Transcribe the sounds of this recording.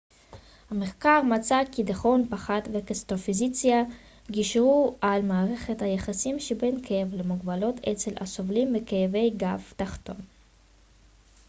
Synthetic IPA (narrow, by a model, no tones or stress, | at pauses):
hameχkaʁmat͡sakid̪aχo̞npaχad̪vekest̪ofizit͡sja | ɡiʃʁualmaːʁe̞χethajaχasimʃebenkʰejevlemuɡbalo̞t̪ʰet͡selʔa̰sovlimbekejeve̞jɡaft̪aχt̪o̞n